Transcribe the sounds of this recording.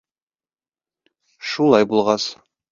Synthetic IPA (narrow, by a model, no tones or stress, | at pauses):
ʃulˠɑjbulˠʁɑs